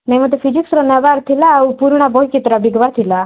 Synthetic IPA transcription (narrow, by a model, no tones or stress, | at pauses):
nejmət̪efʰid͡ʒiksɾɔnɛʋaɾt̪ʰilaupuɾɳ̃abɔɦikit̪ɾabiɡʋaɾt̪ʰila